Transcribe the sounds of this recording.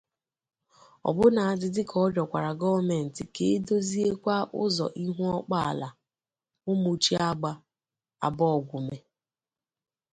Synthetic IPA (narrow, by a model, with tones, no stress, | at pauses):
ɔ̰˨bʊ˦na˨a˨dɪ˦dɪ˦kʰɔ˦d͡ʒɔ˨kʷa˨ɾa˨ɡɔ˦me˨n̩˨tɪ˨ke˨e˦do˦zi˦e˦kʷa˦ʔʊ̰˦zɔ̰˨ʔi˦ɦu˦ɔ˦k͡pa˦a̰˨la˨ | ʊ˦mu˨t͡ʃi˦a˦ɡ͡ba˦ | a̰˨bɔ˦ɔ˨ɡʷu˨me˨